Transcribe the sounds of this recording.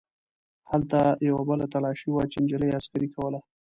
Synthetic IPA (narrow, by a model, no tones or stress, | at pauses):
halt̪ajawabəlat̪alɑʃiwat͡ʃɪnd͡ʒələjeaskaɾikawəla